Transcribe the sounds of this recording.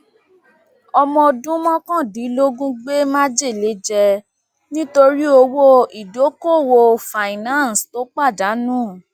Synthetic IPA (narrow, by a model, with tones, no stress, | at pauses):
ɔ˧mɔ̃˧˨dũ˦mɔ̃˦kɔ̃˦˨di˨˦lo˦ɡũ˦ɡ͡be˦mã˦d͡ʒe˦˨le˨˦d͡ʒɛ˧ | nĩ˦to˧ɾi˦o˧wo˦i˨do˨˦ko˦˨wo˧fa˨i˨nã˦˨n˨sto˨˦k͡pa˦˨da˨˦nũ˦